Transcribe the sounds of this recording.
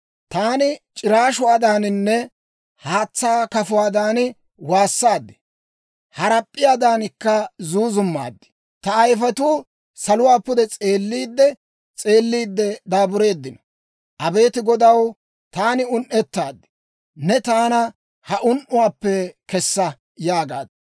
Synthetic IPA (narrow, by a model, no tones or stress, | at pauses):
t̪aːnɪt͡ʃʼɪɾaːʃʊaːd̪aːnɪnːɛ | haːt͡sːaːkɐfʊwaːd̪aːnɪ | waːsːaːd̪ːɪ̥ | hɐɾɐpʼːɪjaːd̪aːnɪkːɐzuːzʊmːa̰ːd̪ːɪ̥ | t̪ɐːjfɐt̪uː | sɐlʊwaːpːʊd̪ɛt͡sʼe̞ːlːiːd̪ːɛ | t͡sʼe̞ːlːiːd̪ːɛd̪aːbʊɾe̞ːd̪ːɪnɐ | ʔɐbe̞ːt̪ɪɡɔd̪ɐw | t̪aːnɪʊnʔɛt̪ːaːd̪ːɪ̥ | nɛt̪aːnɐ | hɐʔʊnʔʊwaːpːɛkɛsːɐ | jaːɡa̰ːd̪